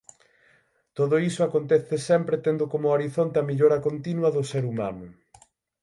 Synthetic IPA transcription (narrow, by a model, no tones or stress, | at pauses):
t̪oðʊisʊakont̪ɛθesɛmpɾet̪end̪ʊkomʊoɾiθont̪eɐmiʎoɾɐkont̪inwɐðʊseɾuma̰nʊ